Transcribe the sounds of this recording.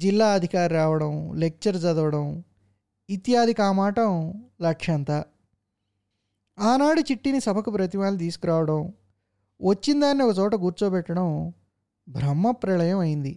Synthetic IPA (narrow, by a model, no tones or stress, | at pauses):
d͡ʒilːaːɐd̪ʱikaːɾɾaːʋɐɽɐmlek̚t͡ʃɐɾd͡ʒɐd̪ɐʋɐɽɐm | it̪jaːd̪ʱikaːmaːʈɐmlɐkʂɐnt̪ɐ | aːnaːɽut͡ʃiʈːinisɐbʱɐkupɾɐt̪̬iʋaːlːit̪iːsu̥kuɾaːʋɐɽɐm | ʋɐt͡ʃːind̪aːnːiɔkɐt͡ʃɔːʈ̬ɐɡuːɾt͡ʃoːbɛʈːɐɽɐm | bʱɾɐmːɐpɾɐlɐjɐmɐjind̪i